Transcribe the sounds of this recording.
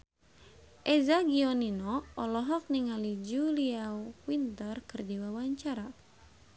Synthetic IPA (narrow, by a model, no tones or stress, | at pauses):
ʔɛzaɡiɔninɔɔlɔɦɔk̚niŋalid͡ʒuliawint̪ərkɨrdiwawaɲt͡ʃaɾa